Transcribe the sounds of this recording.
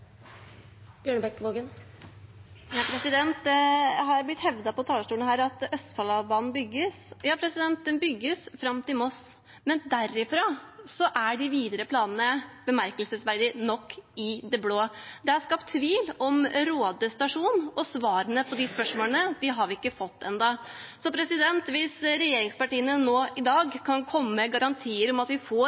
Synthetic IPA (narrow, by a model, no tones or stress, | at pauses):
b̥jøːɳəbɛkːʋoːɡən | jɑpʰɾɛsɪd̪ɛnt̪̚d̪ɛhɑɾblɪt̪hɛʋd̪ɑpɔt̪ʰɑːləʂʈuːnɦæːɾɑt̪œst̪fɑlɑʋbɑːnn̩bʏɡːəsjɑːpʰɾɛsɪd̪ɛnt̪d̪ɛnbʏɡːəsfɾɑmt̪ɪlmɔs | mɛnd̪æɾɪfɾɑsɔʔæɖɪʋiːd̪əɾəpʰlɑːnənəb̥əmæɾkəlsəsʋæɾd̪ɪnɔkːɪd̪ɛbloːd̪ɛæɾskɑpt̪ʰːʋiːlɔmɾoːd̪əst̪ɑʂuːnɔsʋɑːɾənəpʰɔd̪ɪspœʂmoːlənəʋɪɦɑɾʋɪkːəfɔt̪ʰːɛ̰nd̪ɑsɔpʰɾɛsɪd̪ɛnt̪ʋɪsɾɛjeːɾɪŋspɑʈiːənənoːʔɪd̪ɑːɡkʰɑnkʰɔmːəɡɑɾɑnt̪ʰiːəɾɔmɑt̪ʋɪfo